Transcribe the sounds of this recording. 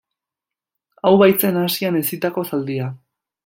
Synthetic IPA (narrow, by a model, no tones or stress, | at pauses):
awβajt͡se̞nasiane̞sit̪ako̞sald̪ia